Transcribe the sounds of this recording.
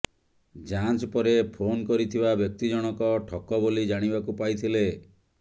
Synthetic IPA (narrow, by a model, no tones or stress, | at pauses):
d͡ʒant͡ʃpɔɾepʰonkɔɾit̪ʰibabjɔk̚t̪id͡ʒɔɽ̃ɔkɔʈʰɔkɔbolid͡ʒaɽ̃ibakupajt̪ʰile